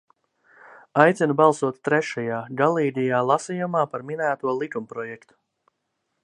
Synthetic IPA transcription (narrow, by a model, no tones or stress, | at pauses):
ajt̪sʲinubalˠsuɔt̪ːɾɛʃajaːɡaliːd̪ʲijaːlˠasijumaːpaɾminæːt̪uɔlˠikumpɾɔjɛkt̪u̥